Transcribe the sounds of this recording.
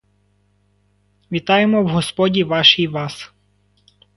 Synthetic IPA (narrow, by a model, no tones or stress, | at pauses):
ʋʲit̪ɑjemɔwɦɔspɔdʲiʋɑʃijʋɑs